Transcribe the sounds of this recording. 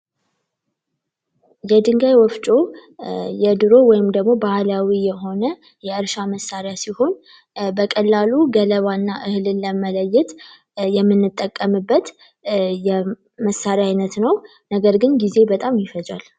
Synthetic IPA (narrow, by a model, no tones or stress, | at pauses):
jɛd̪ɨŋɡajwɔft͡ʃʼo̞ | jɛd̪ɨɾo̞wɔjɪmd̪əɡmo̞bahlawijɛɦo̞nə | jɛʔɨɾʃaməsːaɾɪjasiho̞n | bəkʼəlːaluɡələβanːaʔɨhɨlɨːəmələjːɛt̪ | jɛmːɨnːɨt̪ʼːəkʼːəmɨbːət̪ | jɛ | məsːaɾjajnət̪nəw | nəɡəɾɡɨnɡize̞bət̪ʼamjɪfəza̰l